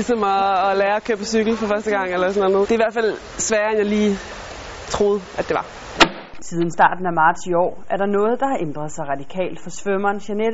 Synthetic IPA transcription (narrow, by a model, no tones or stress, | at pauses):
isɒ̽mɒːlæːɐɒkʰøːb̥əsyɡ̥l̩fɒ̽fɶɐsd̥əɡ̥ɑ̈ŋ̰elɐsɔnænɔ̽ːðd̥e̝ɐiʋæɐ̰̥fæl̰ | sʋæːɐenjɑ̈ɪliː | t͡sʰʁo̝ːð̞̩ˠʔæd̥e̝ʋɑ̈ | t͡sʰiːð̞ˠn̩sd̥ɑ̰̈ːd̥n̩æmɑ̈ːd̥siɒ̰ːʔæɐɾɑ̈nɔ̽ːð̞̩ˠd̥ɑ̈hɑ̈ʔend̥ʁɐðˠsɑ̈ɪʁɑ̈d̥ikʰɛ̰ːld̥fɒ̽sʋømɐːnɕæned̥